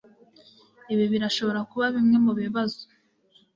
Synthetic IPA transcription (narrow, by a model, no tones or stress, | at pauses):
iβiβiɾaʃo̞βo̞ɾakuβaβimŋe̞muβeβazo̥